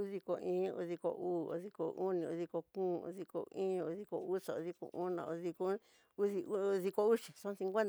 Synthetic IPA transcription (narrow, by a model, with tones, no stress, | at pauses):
u˦ði˧ko˧ĩː˦ṵ˧ði˧ko̰˧ʔuː˦o̰˧ði˧ko̰˧u˦nĩ˧u˧ði˧ko˧kũː˦˨˧ṵ˧ði˧ko̰˧ĩː˦˧u˧ði˧ko˧u˦sa˨o˧ði˧kõ̰˧ʔu˦nã̰˧˨o˧ði˧ko˦ | u˦ði˧u˦˧ði˧ko˧u˦ʃi̥˨sõ˦sĩ˧ŋɡʷe˦n